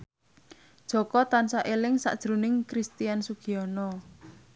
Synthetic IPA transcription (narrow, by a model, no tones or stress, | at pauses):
d̥ʒ̥ɔ̤kɔt̪ansaʔelɪŋsa̰ʔd̥ʒ̥ɾunɪŋkɾist̪iansuɡ̥iɔnɔ